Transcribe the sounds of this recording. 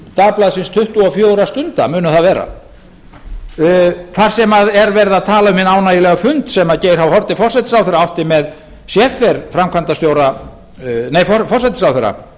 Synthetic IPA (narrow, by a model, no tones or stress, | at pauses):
t̪aplaðsɪnst̪ʰʏht̪uɔfjœːowɾast̪ʏnt̪a̰mʏːnʏθaðvɛːɾa̰ | θaɾ̥sɛmaðɛɾvɛɾðaðt̪ʰaːlaʏmhɪnaːwnaːjɪlɛɣafʏnt̪sɛmaðceːjɾhawhɔɾt̪ɪfɔrsɛt̪ɪ̥sawθɛɾaawht̪ɪmɛð | sjɛfɛɾfɾamkʰant̪ast̪jowɾa | neːjfɔfɔrsajt̪ɪsawθɛɾːa̰